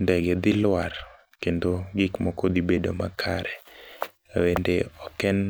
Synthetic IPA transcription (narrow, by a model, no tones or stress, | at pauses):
ndɛɡɛd̪ɪlwar | kendoɡɪkmɔkod̪ibedoma̰kʰaɾɛ | wendeɔkɛn